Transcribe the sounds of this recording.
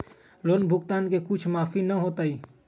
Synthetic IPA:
loːnbʱʊkt̪aːnkekʊt͡ʃʰmaːfinɐɦoːt̪aːiː

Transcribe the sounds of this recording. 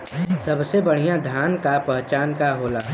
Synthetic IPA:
sɐbsebəɽ̤ijãd̪ʱjaːnkapɛɦt͡ʃaːnkaɦoːlaː

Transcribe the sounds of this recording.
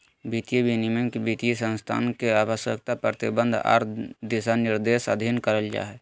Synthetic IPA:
bit̪ijebʱinimekebit̪ijesə̃nst̪ʰa̰ːnkeaːʋəʃjə̰kt̪apɾət̪ibə̃nd̪ʱa̰ːɾd̪isanɪɾd̪eːsə̰d̪ʱinkəɾəld͡ʒa̰ːɦɛ

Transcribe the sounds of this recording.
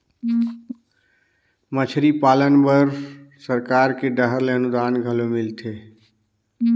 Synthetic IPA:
mət͡ʃʰɾipaːlənbəɾsəɾkaːɾkeɖəɦəɾleənud̪aːnɡʱəlomɪlt̪ʰeː

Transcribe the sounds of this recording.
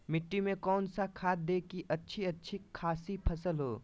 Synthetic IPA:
mɪʈːimẽkɔːnsakʰaːt̪̚d̪eːkiʔɐtːʃʰiɐtːʃʰikʰaːsipʰɐsəlɦoː

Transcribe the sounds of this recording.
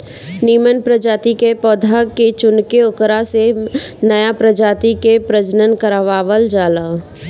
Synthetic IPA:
niːmənpɾəd͡ʒaːt̪ikepɔːd̪ʱaket͡ʃʊnkeʊkɾasenəjapɾəd͡ʒaːt̪ikepɾəd͡ʒnənkəɾaʋaːʋəld͡ʒaːlaː

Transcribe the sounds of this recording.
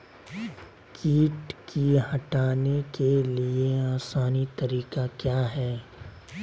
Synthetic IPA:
kiːʈkiɦɐʈaːnekelieãːsaːnit̪ɐɾiːkakjaːɦɛː

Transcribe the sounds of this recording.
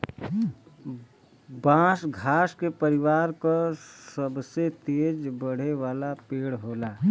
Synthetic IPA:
bãːsɡʱaːskepəɾɪʋaːɾkosəbset̪eːd͡ʒbəɽ̤eʋaːlapeːɽɦoːlaː

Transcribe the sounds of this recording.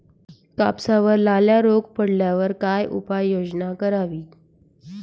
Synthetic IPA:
ka̰psaʋəɾlaljaɾoɡ̚pəɽljaʋəɾkajʔṵpajːod͡ʑnakəɾaʋiː

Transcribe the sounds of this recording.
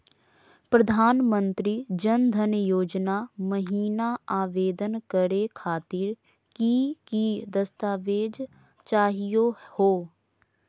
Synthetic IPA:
pɾəd̪ʱaːnmə̃nt̪ɾid͡ʒənd̪ʱənjoːd͡ʒnaməɦiːnaaːʋeːd̪ənkəɾekʰaːt̪ɪɾ | kikid̪əst̪aːʋeːd͡ʒ | t͡ʃaːɦijohoː

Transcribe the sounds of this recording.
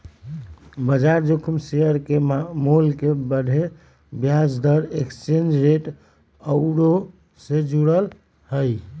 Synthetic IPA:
bəd͡ʒaɾd͡ʒokʰumseəɾkemolkebəɖʱe | bjad͡ʒd̪əɾekst͡ʃend͡ʒɾeʈ | əʊɾo | sed͡ʒuɽəl | həj

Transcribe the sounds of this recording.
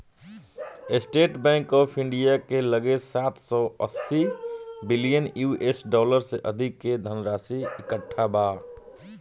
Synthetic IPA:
ɪsʈeːʈbɛ̃ːŋkɔːpʰɪ̃ɳɖijakeləɡesaːt̪ʰsɔːə̰sːibɪlijənjuʔesɖɔːləɾseʔəd̪ʱɪkːed̪ʱənɾaːsiɪkəʈʰːabaː

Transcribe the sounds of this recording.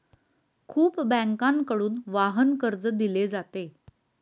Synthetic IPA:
kʰuːpbæ̃ŋkãŋkəɽuːnʋaɦənkəɾd͡zəd̪iled͡zat̪e

